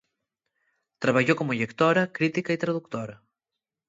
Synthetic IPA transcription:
t̪ɾɐβɐʎokomuʎekt̪oɾɐkɾit̪ikɐit̪ɾɐðukt̪oɾɐ

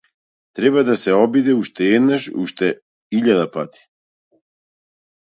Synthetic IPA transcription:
t̪ɾebad̪aseobid̪euʃt̪ejed̪naʃṵʃt̪ɛ | iʎad̪apat̪i̥

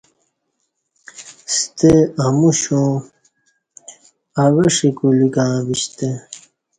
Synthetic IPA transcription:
st̪eɐmuɕõ | ɐweʂikulikãːbiɕt̪e

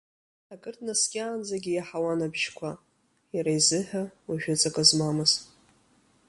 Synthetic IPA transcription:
akʼɨrtʰʼnaskʲʼaːnd͡zaɡʲɪjaħawanabʒkʷʰa | jaɾajzɨħʷᶣaaʒᶣat͡sʼakʼazmamɨz

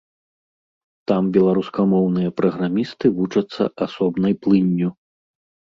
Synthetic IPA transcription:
t̪ambʲɛlˠaɾuskɐmɔwnɨjɐpɾɐɣɾamʲist̪ɨvut͡ʂɐt̪sːɐ̰ʔasɔbnɐjplˠɨnʲːu

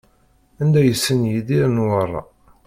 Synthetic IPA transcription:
ænd̪æjəsːənjiðiɾnwərˤːɑ̰

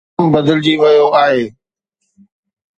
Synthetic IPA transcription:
mbɐd̪əld͡ʑiʋɐjoaːɦeː

